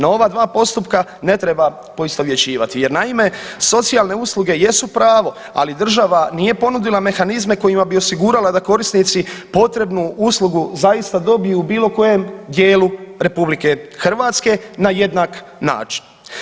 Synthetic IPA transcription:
nao̞ʋad̪ʋaːpo̞st̪upkane̞t̪ɾe̞ba | po̞ist̪o̞ʋje̞t͡ɕiːʋat̪ije̞ɾnaime̞so̞t̪sijalˠne̞uslˠuɡe̞je̞supɾaːʋo̞ | a̰lid̪r̩ʒaʋanije̞po̞nud̪ilˠame̞xanizme̞ko̞jimabio̞siɡuːɾalad̪ako̞ɾisnit̪sipo̞t̪ɾe̞bnuuslˠuɡuzajist̪ad̪o̞bijubiːlo̞ko̞je̞md̪je̞ːluɾe̞publike̞xr̩ʋat̪ske̞naje̞d̪nak | na̰ːt͡ʃi̥n

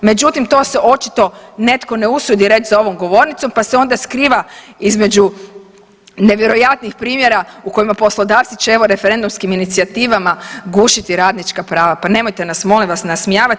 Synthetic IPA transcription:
me̞d͡ʒut̪imt̪o̞ːseʔo̞t͡ʃit̪o̞ne̞t̪ko̞ne̞usud̪iɾe̞t͡ʃzao̞ʋo̞mɡo̞ʋo̞ɾnit̪so̞mpaseo̞nd̪askɾiːʋa | izme̞d͡ʒu | ne̞ʋje̞ɾojat̪nixpɾiːmje̞ɾauko̞imapo̞slˠo̞d̪aːft̪sit͡ʃeeʋo̞ɾe̞feɾe̞nd̪umskiminit̪siat̪iːʋamaɡuːʃit̪iɾaːd̪nit͡ʃkapɾaːʋapane̞mo̞jt̪e̞nasmo̞limʋasnasmijaːʋat̪

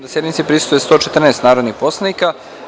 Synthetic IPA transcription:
d̪ased̪mit̪sipɾisu̥t̪ojest̪o̞ːt͡ʃet̪r̩neːst̪naːɾo̞d̪nixpo̞slˠanika

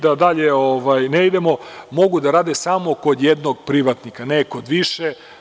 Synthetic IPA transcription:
d̪ad̪aʎeoʋajneid̪emo̞mo̞ɡud̪aɾaːd̪esaːmo̞ko̞d̪jed̪noɡ̚pɾiʋat̪nikanekod̪ʋiʃe

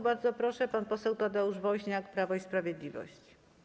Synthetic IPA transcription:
baɾd̪zɔpɾɔʂɛpanpɔsɛwt̪ad̪ɛuʐvɔwɕɲakpɾavɔispɾavʲjɛd̪lʲivɔ̰ɕt͡ɕ

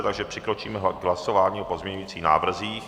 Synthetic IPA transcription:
t̪aɡʒɛpr̥ɪkɾo̞t͡ʃiːmɛɦɡɦlaso̞vaːɲiːopo̞zmɲɛɲujiːt͡siːxna̰ːvr̩ziːx

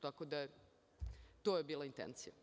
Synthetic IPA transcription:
t̪akod̪ae | t̪oːjebiːlˠaint̪ḛnt̪sija

